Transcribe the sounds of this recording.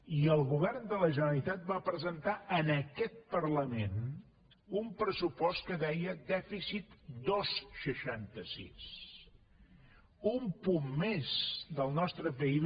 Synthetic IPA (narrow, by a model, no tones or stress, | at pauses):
iəlˠɣuβɛrnd̪ələʒənəlit̪at̪̚bapɾəzənt̪aʔənəkɛt̪̚pərləmen | umpɾəsupɔst̪̚kəðɛjəd̪ɛfisit̪d̪osʃəʃant̪əsḭs | umpumːezd̪əlˠnɔst̪ɾəpəiβ